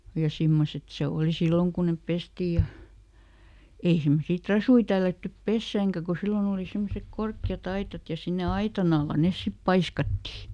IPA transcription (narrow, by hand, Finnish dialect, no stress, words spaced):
jɑ simːoset se oˑli silːoŋ kun nep pestiː jɑ ei semːosiː trɑsui tælːætːyp pesːæːŋkæ ku silːon oˑli semːosek korkːiɑt ɑitɑt jɑ sinːe ɑitɑn ɑlːɑ nes sip pɑiskɑtːi